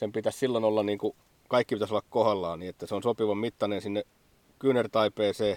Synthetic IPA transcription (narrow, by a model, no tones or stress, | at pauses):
sempit̪æssilːonolːɑnniːŋku | kɑikːipit̪æsolːɑkkohɑlːɑːniːet̪ːæseonsopiʋɑmit̪ːɑnensinːe | kyːnert̪ɑipeːseː